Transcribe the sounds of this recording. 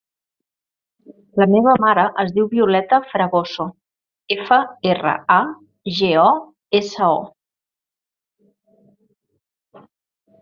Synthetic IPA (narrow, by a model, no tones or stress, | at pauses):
ləmeβ̞əmaɾəʔəzðiwβiulɛt̪əfɾəɣoso | efəerə̰a | ʒeɔ | esəɔ